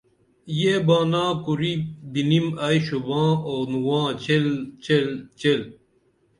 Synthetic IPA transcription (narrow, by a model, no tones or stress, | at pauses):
jeːbãːnãːkuɾibinimajɕubãːoːnuwãːt͡ɕelt͡ɕelt͡ɕel